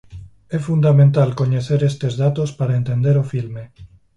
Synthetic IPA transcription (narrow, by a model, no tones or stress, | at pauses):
efund̪amẽnt̪alkoɲeθeɾest̪ezðat̪ospaɾaent̪ẽnd̪eɾofilme